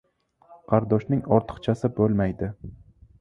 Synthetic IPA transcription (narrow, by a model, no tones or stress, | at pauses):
qʰɑɾd̪ɒʃnɪŋɒɾt̪ʰɨ̥qt͡ʃʰasɪbolˠmajd̪ɪ